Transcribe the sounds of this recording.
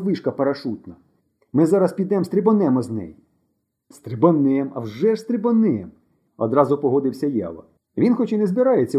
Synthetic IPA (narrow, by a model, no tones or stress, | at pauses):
ʋɪʃkɐpɐɾɐʃut̪nɐ | mɪzɑɾɐspʲid̪ɛmst̪ɾʲɪbɔnɛmɔznɛ̰ji | st̪ɾʲɪbɔnɪmɐ̰wʒɛʒst̪ɾʲɪbɔnɪɛm | ɔ̰d̪ɾɑzʊpɔɦɔd̪ɪwsʲɐjɑ̰ʋɐ̰ | ʋʲinxɔt͡ʃinɛzbɪɾɑjet͡sʲːɐ